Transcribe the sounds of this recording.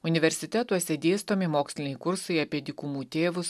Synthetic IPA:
ʊnʲɪʋʲɛɾʲsʲɪt̪ʲɛt̪uɔsʲɛd̪ʲeːst̪oːmʲɪmoːksʲlʲɪnʲɛɪjkʊɾsɐɪɐpʲiɛd̪ʲɪkʊmuːt̪ʲeːʋʊs

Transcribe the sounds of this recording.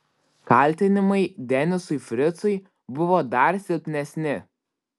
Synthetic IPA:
kɐlʲˑt̪ʲɪnʲɪmɐɪd̪ʲɛnʲɪsʊɪfʲɾʲɪt̪sʊɪ | bʊʋoːd̪ɐɾsʲɪlʲpʲnʲɛsʲnʲɪ

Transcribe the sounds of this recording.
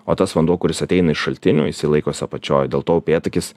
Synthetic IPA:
oːt̪ɐsʋɐnd̪uɔkʊɾʲɪsɐt̪ʲɛɪnɐɪʃʃɐlʲt̪ʲɪnʲṵːɪsʲilˠɐɪkoːsʲɐpɐt͡ʃʲo̰ːjd̪ʲeːlˠt̪oːpʲeːt̪ɐkʲɪs

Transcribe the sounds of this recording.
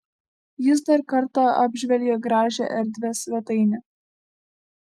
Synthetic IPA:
jɪs̬d̪ɐɾkɐɾt̪ɑɑːbʲʒʲʋʲɛlʲɡʲeɡɾɑːʒʲɛ̰ʔɛɾʲd̪ʲʋʲɛsʋʲɛt̪ɐɪnʲɛ

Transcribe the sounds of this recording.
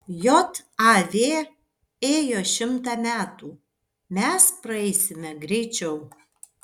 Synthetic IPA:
joːt̪ɑʋʲeː | eːjoːʃʲɪmt̪ɑːmʲæːt̪uː | mʲɛspɾɐɛɪsʲɪmʲɛɡɾʲɛɪt͡ʃʲɛʊ

